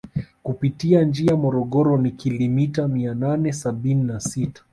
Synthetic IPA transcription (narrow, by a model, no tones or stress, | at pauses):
kupitiand͡ʒiamɔɾɔɠɔɾɔnikilɔmitamiananɛsaɓininasitḁ